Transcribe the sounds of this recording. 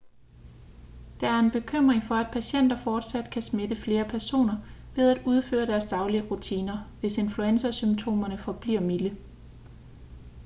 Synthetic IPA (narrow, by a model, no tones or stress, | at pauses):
d̥ɑ̈æɐe̝nb̥e̝kʰøm̰ʁeŋfɒ̽æd̥̚pʰæɕen̰d̥ɐfɒːd̥sæd̥kʰæsmed̥əfle̝ːɐpʰæɐso̝̰ːnɐʋe̝ð̞ˠæd̥uð̞ˠfø̰ːɐd̥æɐsd̥ɑ̈ʊliəʁut͡sʰiːnɐʋe̝se̝nfluensɐsymt͡sʰo̝̰ːmɐnəfɒ̽b̥liɐ̰milə